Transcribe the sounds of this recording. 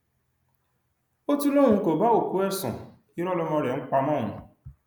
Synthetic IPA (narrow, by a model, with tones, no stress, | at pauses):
o˦tu˦lo˦˨ŋũ˧˦ko˨ba˦o˦˨ku˦ɛ˦˨sɔ̰̃˨ | i˦ɾɔ˦lɔ˧mɔ̃˧ɾɛ˨ŋ͡m̩˦k͡pa˧mɔ̃˦˨ṵ̃˨